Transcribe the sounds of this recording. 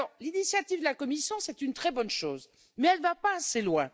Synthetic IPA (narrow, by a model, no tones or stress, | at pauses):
ɔʁlinisjat̪ivd̪əlakɔmisjɔ̃sɛt̪ynt̪χɛbɔnʃoːz | mɛɛlvapaːselwɛ̃